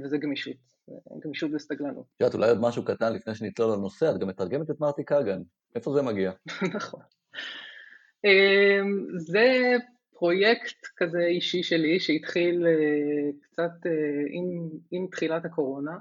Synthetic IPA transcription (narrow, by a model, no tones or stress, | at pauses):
vezeɡmiʃut̪ | ɡmiʃut̪best̪aɡlanṵtʃat̪ṵlajod̪maʃukat̪anlifnejʃ̬enit̪lolano̞seat̚ɡamet̪aʁɡemet̪et̪maʁt̪ikaɡan | ʔefo̞zemaɡianaχo̞n | emze | pʁo̞je̞kt̪kazeiʃiʃeliʃeit̪χilekt͡sat̪eimimt̪χilathako̞ʁo̞na